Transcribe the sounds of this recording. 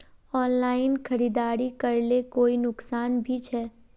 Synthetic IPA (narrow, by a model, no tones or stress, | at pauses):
ɔːnlaːɪnkʰɐɾiːd̪aːɾikɐɾlekoːinʊksaːnbʱit͡ʃʰɛː